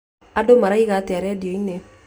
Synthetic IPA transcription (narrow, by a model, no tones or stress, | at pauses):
adomaɾaikatɛɾɛdijoine